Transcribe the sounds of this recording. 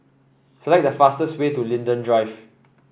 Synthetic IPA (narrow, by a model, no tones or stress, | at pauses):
səlɛk̚dəfastəstwetulĩndə̃ndɹaɪf